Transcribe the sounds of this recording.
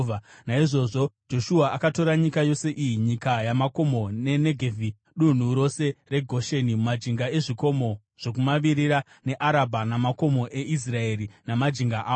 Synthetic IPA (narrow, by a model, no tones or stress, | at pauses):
anaiʐo̞ʐo̞d͡ʒo̞ʃuaʔakato̞ɾaɲikajo̞se̞ʔijiɲikajamako̞mo̞ne̞ne̞ɡʱevʱi | ɗun̤uɾo̞se̞re̞ɡʱo̞ʃenimumad͡ʒiŋɡae̞ʐiko̞mo̞ | ʐ̥o̞k̬umaʋiɾiɾa | ne̞ʔaɾabʱanamako̞mo̞ʔeʔis̬rae̞ɾinamad͡ʒiŋɡaʔaː